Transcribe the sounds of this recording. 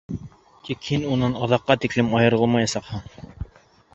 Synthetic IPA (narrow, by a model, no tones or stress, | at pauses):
t̪ikhinunɑnɑðɑqːɑt̪iklɘmɑjɤ̆ɾɤ̆lˠmɑjɑsɑqhɤɴ